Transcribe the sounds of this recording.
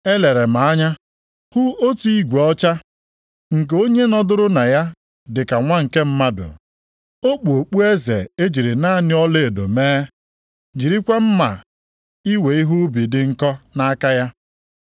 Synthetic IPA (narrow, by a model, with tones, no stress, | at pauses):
e˦le˨ɾe˨ma˨a˦ɲa˦ | hʊ˦o˦tu˦i˦ɡʷe˨ɔ˦t͡ʃa˦ | ŋ̩˨k̬e˨o˦ɲe˦nɔ˦dʊ˦ɾʊ˦na˨ja˦ | dɪ˨ka˨ŋʷa˦ŋ̩˨ke˦m̩˦ma˦dʊ̰˨ | o˦k͡pu˨o˨k͡pu˦e˦zḛ˨e˦d͡ʒi˨ɾi˨na˦˨nɪ˦ɔ˦le˦˨e˨do̰˨meː˦ | d͡ʒi˨ɾi˦kʷe˦m̩˦ma̰˨ | i˦we˨i˦ɦu˦bi˨dɪ˨ŋ̩˦kɔ˦na˦ka˦ja˦